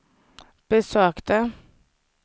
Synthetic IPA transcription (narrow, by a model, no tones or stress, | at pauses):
b̥əsøːkt̪ə